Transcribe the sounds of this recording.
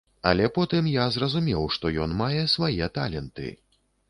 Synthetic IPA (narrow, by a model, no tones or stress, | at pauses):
ɐ̰lʲɛpɔt̪ɨmjazrɐzumʲɛwʂt̪ɔjɔnmajɛsvajɛt̪a̰lʲɛnt̪ɨ̰